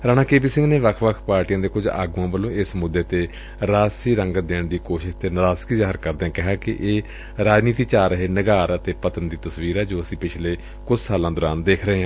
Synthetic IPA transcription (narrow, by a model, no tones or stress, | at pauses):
ɾaːnaːkeːpiːsɪ̃ŋɡneːʋəkʰʋəkʰpaːɾʈijãːd̪eːkʊd͡ʒa̰ːɡuːãːbəlõːɪsmʊd̪ːeːt̪eː | ɾaːsiːɾə̃ŋɡd̪eːɳd̪iːkoːʃɪʃt̪eːnəɾaːskiːzaːɦəɾkəɾd̪eɛ̃ːkɪɦaːkɪ̰ʔeː | ɾaːd͡ʒniːt̪iːt͡ʃaːɾəɦeːnəɡaːɾət̪eːpət̪ənd̪iːt̪əsʋiːɾɛːd͡ʒoːəsĩːpɪt͡ʃʰleː | kʊd͡ʒsaːlãːd̪ʊɾaːnd̪eːkʰɾəɦeːɦãː